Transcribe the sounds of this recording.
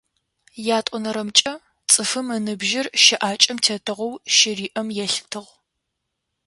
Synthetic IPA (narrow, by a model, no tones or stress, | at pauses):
jaːtʼɔnɐɾɐmt͡ʃʼɐ | t͡sʼɨfɨmɨnɨbʒɪrʃɪʔaːt͡ʃʼɪmtʰɐtʰɨʁʷɐwʃɪriːʔɐmjɛɬtʰɨʁ